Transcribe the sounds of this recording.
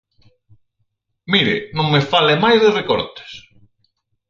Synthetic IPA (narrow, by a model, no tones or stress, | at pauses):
miɾɪ̰nõŋmefalemajzðɪrekɔɾt̪e̥s